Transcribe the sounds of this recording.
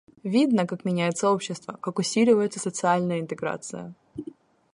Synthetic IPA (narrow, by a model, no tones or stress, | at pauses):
vʲid̪nəkakmʲɪnʲæjɪt̪səo̞pɕːɪst̪vəkakʊsʲilʲɪvəjɪt̪səsət̪sɨalʲnəjəɪnt̪ɨɡɾa̰t̪sɨ̰jə̰